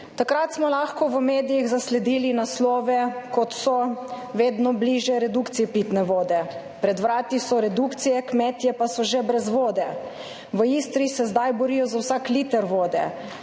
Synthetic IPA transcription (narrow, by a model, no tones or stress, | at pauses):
t̪akɾat̪smɔlaːxkɔʋəmeːd̪ijiɣzaslɛd̪iːlinaslɔːʋɛkɔt̪sɔʋeːd̪nɔbliʒjɛɾɛd̪ukt̪sijɛpit̪nɛʋoːd̪ɛ | pɾɛd̪ʋɾaːt̪isɔɾɛd̪ukt̪sijɛkmɛt̪jɛpasɔʒɛbɾɛzʋoːd̪ɛ | ʋəist̪ɾisɛzd̪ajbɔɾiːjɔzawsaːkliːt̪əɾʋoːd̪ɛ̰